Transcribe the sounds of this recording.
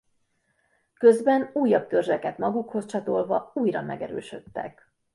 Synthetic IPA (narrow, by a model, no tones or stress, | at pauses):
kø̞zbɛnuːjːɒb̚t̪ørzɛkɛt̪mɒɡukho̞st͡ʃɒt̪o̞lvɒuːjrɒmʔɛ̰ɡɛɾø̰ːʃø̞t̪ːɛ̰k